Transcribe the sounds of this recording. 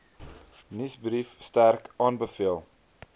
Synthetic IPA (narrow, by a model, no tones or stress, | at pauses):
nisbɾifstærkʔɑːnbəfiəlˠ